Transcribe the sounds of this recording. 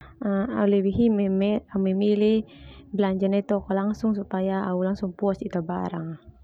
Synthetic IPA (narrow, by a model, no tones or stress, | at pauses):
aa̰ulɛwiɦimɛamɛmilibəlaɲd͡ʒanɛt̪ɔkɔlaŋsuŋsupajaaulaŋsuŋpuɔsit̪aba̰ɾa̰ŋ